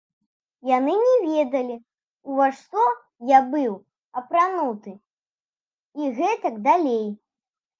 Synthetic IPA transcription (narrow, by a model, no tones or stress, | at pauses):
janɨnʲɛvʲɛd̪ɐlʲi | uvaʂt̪ɔ | jabɨw | ɐpɾanut̪ɨ | iɣɛt̪ɐɡd̪alʲej